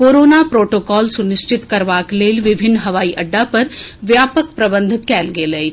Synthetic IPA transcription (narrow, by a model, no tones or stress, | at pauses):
koːɾoːnapɾoːʈoːkɔːlsʊnɪʃt͡ʃɪt̪kɐɾʋaːkleːlʋɪbʱɪnːɦɐʋaːiʔɐɖːapɐɾʋjaːpək̚pɾɐbə̃nd̪ʱɪt̪kɛːlɡeːləi